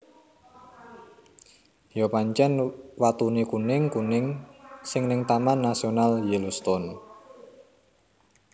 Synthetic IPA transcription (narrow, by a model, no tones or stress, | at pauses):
jopaɲt͡ʃɛnwat̪unikunɪŋkunɪŋsɪŋnɪŋt̪amanːasionaljilust̪ɔn